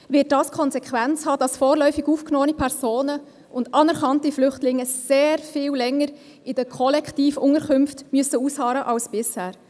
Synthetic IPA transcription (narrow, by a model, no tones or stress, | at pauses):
ʋɪːt̚dɑːskʰɔnzɛkʰʋænt͡shɑːd̥ɑsfɔːɾlœʏfɪɡuːfknoːənipʰɛɾzoːnə | ʊndɑnɛɾkɑntiflʏχtlɪŋːəseːɾfɪːwlɛŋːəɾ | ɪd̥əkʰɔlɛktiːfʊŋəɾkʏmftmyəsəushɑːɾəʔɑlsb̥ɪshæːɾ